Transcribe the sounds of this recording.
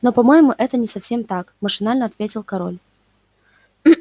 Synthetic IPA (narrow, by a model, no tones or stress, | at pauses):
no̞pɐmo̞jɪmʊʔɛt̪ənʲɪsɐfsʲemt̪akməʂɨnalʲnəɐt̪vʲetʲɪlˠkɐɾo̞̰lʲ